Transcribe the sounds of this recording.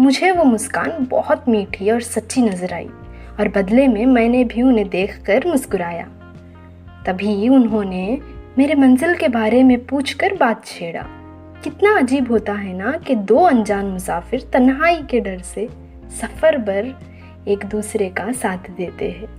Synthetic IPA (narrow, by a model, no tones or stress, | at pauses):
mʊd͡ʒʱeʋomʊska̰ːnbɔ̰ɦʊt̪miːʈʰiɔːɾsɐt̪ːʃinɐzəɾa̰ːḭ | ɔːɾbɐd̪lemẽmɛ̃ːnebʱiʊnɦẽd̪eːkʰkɐɾmʊsɡʊɾaːja̰ː | t̪ɐbʱiʊnɦõnemeːɾemɐ̃nzɪlkebaːɾemẽpuːt͡ʃʰkɐɾbaːt̪̚t͡ʃʰeːɽa̰ː | kɪt̪naɐd͡ʒiːbɦoːt̪aɦɛnaked̪oːɐ̃nd͡ʒaːnmʊsaːfɪɾt̪ɐnɦaːikeɖɐɾse | sɐfəɾbɐɾ | eːkd̪uːsɾekasaːt̪ʰd̪eːt̪eɦɛ̃ː